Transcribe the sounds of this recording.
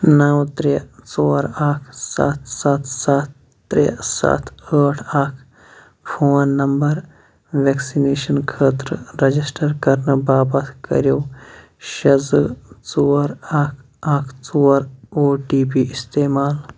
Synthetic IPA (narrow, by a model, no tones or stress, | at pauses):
nɐwt̪ɾet͡soːɾaːkʰsa̰t̪ʰsat̪ʰsat̪ː | ɾḛsa̰t̪ʰəːʈʰaːkʰ | pʰoːnːɐmbɐɾ | ʋeːksineːʃɐnkʰəːt̪ɾəɾɐd͡ʒisʈəɾkɐɾnɐbaːbɐt̪kɐ̰ɾjoː | ʃɐzt͡soːɾaːkʰ | aːkʰt͡soːɾoːʈiːbiːɪst̪eːmaːl